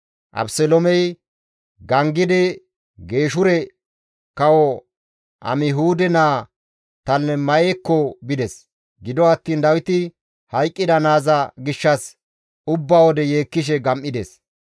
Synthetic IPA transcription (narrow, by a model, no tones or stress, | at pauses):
ʔɐ̰bsɛlɔmɛj | ɡɐŋɡɪd̪ɪ | ɡe̞ːʃʊɾɛ | kɐwɔ | ɐ̰mɪɦuːd̪ɛnaː | t̪ɐlːɛmɐjekːɔbɪd̪ɛs | ɡɪd̪ɔɐt̪ːiːnd̪ɐwɪt̪ɪ | hɐjkʼːɪd̪ɐnaːzɐɡɪʃːɐs | ʊbːawɔd̪ɛje̞ːkːɪʃ̬ɛɡɐmʔɪd̪ɛs